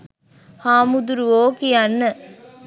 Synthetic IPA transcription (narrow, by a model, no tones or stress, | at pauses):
haːmud̪uɾʋoːkiɐnːɯ